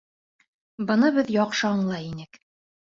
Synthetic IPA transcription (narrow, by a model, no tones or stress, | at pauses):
bɤ̆nɤβɘðjɒqʃɤɑɴlˠɑjinɘk